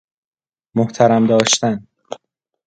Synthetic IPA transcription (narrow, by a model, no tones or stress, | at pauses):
moht̪ʰæɾæmd̪ɒːʃt̪æn